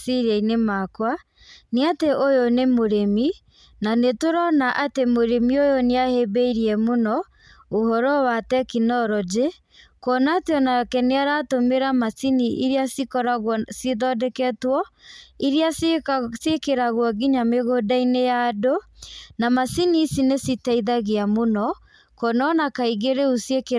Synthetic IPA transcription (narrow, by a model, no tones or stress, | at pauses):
siɾɛinemakwa | neateʔojonemoɾemi | nanetoɾɔnaʔatemoɾemiojoneahebeiɾiɛmonɔ | ohɔɾɔwatɛkinɔɾɔd͡ʒe | kɔnaːteɔnakɛneaɾatomeɾamasiniʔiɾiasikɔɾaɣseðɔdɛkɛtwɔiɾiasekeɾaɣwɔɣiɲameɣodainejadonamasinisinesitaiðaɣeamonɔ | kɔnɔnakaiɣeɾeusieke